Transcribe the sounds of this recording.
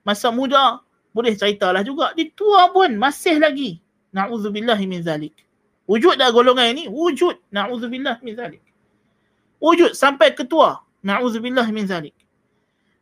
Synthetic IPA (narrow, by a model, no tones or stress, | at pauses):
masamũda | bolɪht͡ʃaɾit̪alahd͡ʒuɡaʔdit̪uapʊnmasɪhlaɡi | naʕuðubilːaɦimɪnðalɪk̚ | wud͡ʒʊt̪̚daʔɡoloŋaniniwud͡ʒut̪̚naʕuðubilːahminðalɪk̚ | wud͡ʒʊt̪̚sampajkət̪ua | naʕuðubilːaɦminðalɪk̚